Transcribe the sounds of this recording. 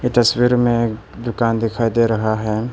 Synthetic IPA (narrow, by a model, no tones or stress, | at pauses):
ɪt̪ɐswiːɾmẽ | d̪ʊkaːnd̪ɪkʰaːid̪eɾɐɦaɦɛː